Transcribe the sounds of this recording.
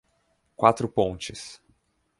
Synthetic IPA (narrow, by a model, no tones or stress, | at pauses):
kwat̪ɾʊpõnt͡ʃɪs